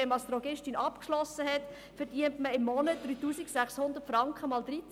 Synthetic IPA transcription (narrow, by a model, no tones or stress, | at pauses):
ɛnmɑstɾɔɡɪʃtinʔɑpkʃlɔsːəɦɛt | fɛɾd̥iəntməɪmːɔnəd̥ɾyːtuːsiksæχshʊnd̪ətfɾɑŋkχəmɑːldɾit͡s